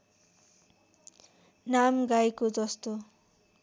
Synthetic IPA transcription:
namɡajkod͡zʌst̪o

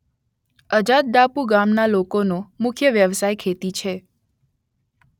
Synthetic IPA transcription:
əd͡ʒat̪̚d̪apuɡamnalokonomʊkʰjəʋjəʋsajkʰet̪it͡ʃʰe

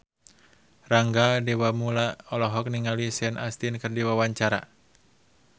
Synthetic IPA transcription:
raŋɡadewamulaɔlɔɦɔk̚niŋalisɛɛnast̪inkɨrdiwawaɲt͡ʃaɾa̰

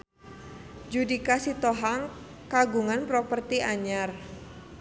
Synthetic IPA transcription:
d͡ʒudikasit̪oɦaŋ | kaɡuŋanpɾɔpərt̪iʔaɲar

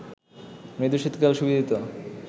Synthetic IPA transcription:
med̪uʃit̪kalʃubid̪ʱit̪o

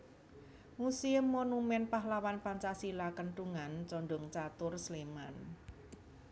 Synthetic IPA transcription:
musiəmːonumɛnpaɦlawanpaɲt͡ʃasilakənʈuŋant͡ʃɔɳɖʊŋt͡ʃat̪ʊrsleman

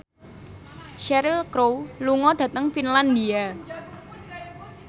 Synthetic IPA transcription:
ʃɛɾilkɾowluŋɔɖ̥ä̤t̪əŋfinland̪ia

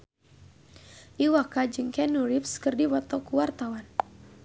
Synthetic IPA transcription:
ʔiwakad͡ʒɨŋkɛnuɾipskɨrdiwɔt̪ɔkuwart̪awan

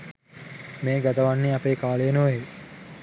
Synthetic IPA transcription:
meːɡæt̪əʋanːiapeːkaːlejenoʋe

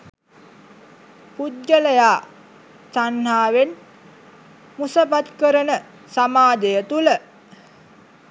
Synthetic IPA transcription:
pud̪d͡ʒələjaː | sanːaːʋen | musəpat̪kəɾənə | samaːd̪ejət̪ulə

